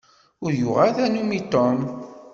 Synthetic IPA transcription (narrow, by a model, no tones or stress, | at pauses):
ʊɾjʊʁaðænumit̪ɔn